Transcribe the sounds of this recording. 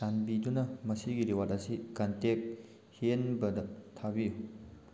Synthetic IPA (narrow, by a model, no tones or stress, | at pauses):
sanbidunɐmɐsiɡiɾiwatɐsikɐntek̚ | hienbɐdɐtʰabiju